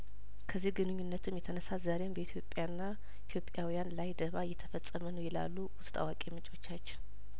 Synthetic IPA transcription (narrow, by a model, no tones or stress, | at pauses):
kʰəzːihɡɨnɨɲːunːət̪ʰɨmjɛt̪ʰənəsazaɾembəit̪ʰjo̞pʼːjanːa | it̪ʰjo̞pʼːjawijanlajd̪əβajɛt̪ʰəfət͡sʼːəmənəwjɛla̰lːuwʊst̪ʼa̰wakʼemɨt͡ʃʼo̞t͡ʃːat͡ʃːɛ